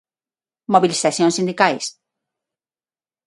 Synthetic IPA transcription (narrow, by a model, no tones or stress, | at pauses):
moβilisaθjõnsĩnd̪ikajs